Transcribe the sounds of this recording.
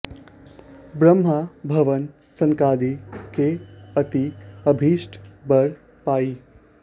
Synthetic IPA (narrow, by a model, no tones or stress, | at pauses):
bɾəmɦabʱɐʋən | sɐŋkaːd̪ikeɐt̪iəbʱiːʃʈʰbəɽ | paːiː